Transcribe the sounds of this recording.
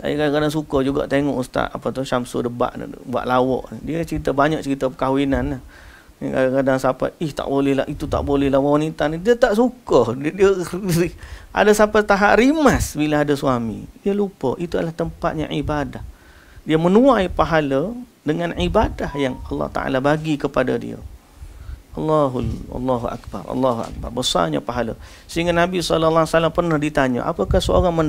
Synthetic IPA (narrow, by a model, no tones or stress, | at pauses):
sa̰jkaakadaŋsukəd͡ʒuɡa̰ʔt̪eŋɔʔust̪a̰t̪a̰pat̪ʊhʃamso̰dəba̰ʔnə̰bua̰ʔlawɔ̰ʔnḭdiət͡ʃəɾit̪abaɲaʔ̚t͡ʃəɾit̪apəkawinanːah | kaakadaŋsapa̰iht̪a̰ʔbolɛhlaʔit̪ut̪a̰ʔbolɛhlahwwanit̪anidiət̪aʔsukədiəiʔa̰dasapat̪aɦaʔɾimasbilaadasuamḭdiəlupə̰ʔit̪uadəlaht̪əmpat̪̚ɲa̰ʕibadah | diəmənuaipaɦalə | dəŋanʕibadahjaŋɑlːɑ̰ht̪a̰ʔa̰labaɡikəpadadḭə̰ | ʔɑlːaɦṵlːaɦuʔa̰k̚ba̰rɑ̰lːaɦua̰k̚ba̰rbəsa̰rɲa̰paɦala̰ | səɦiŋɡanabisɔlalasalampərnahdit̪aɲə̰ʔa̰pakahsəo̰ɾaŋmən